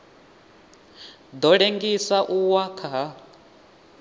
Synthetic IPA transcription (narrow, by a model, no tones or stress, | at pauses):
d̪ɔɺeŋɡisaʔuwakʰaɦa